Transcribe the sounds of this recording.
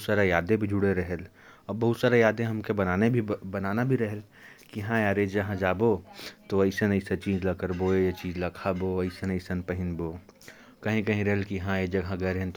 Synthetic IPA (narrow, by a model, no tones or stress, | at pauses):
t̪saːɾejaːd̪ẽbʱid͡ʒʱʊɽeɾɐɦel | ɔbɐɦut̪saːɾejaːd̪ẽɦɐmkebɐnaːnebʱibɐnaːnabʱiɾɐɦəl | kiɦãjaːɾeːd͡ʒɐɦãd͡ʒaːboːt̪oɐɪsənɐɪset͡ʃiːd͡ʒlɐkəɾboːejet͡ʃiːzlɐkʰaːboːɐɪsənɐɪsənpɐɦɪnboː | kɐɦĩkɐɦĩɾɐɦelkiɦãed͡ʒɐɡʱɦãɡɛɾɦẽnt̪